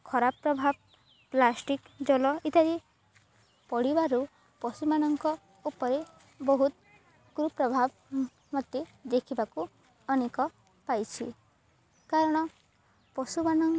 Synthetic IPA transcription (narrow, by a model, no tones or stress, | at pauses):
kʰɔɾappɾɔbʱab̚ | plasʈik | d͡ʒɔlɔʔit̪aɾi | pɔɽibaɾu | pɔsumanɔŋkɔ | upɔɾe | bɔɦut̪ | kɾupɾɔbʱab | mɔt̪ːed̪ekʰibaku | ɔnekɔ | pajt͡ʃʰḭ | kaɾɔɽ̃ɔ | pɔsumanɔŋ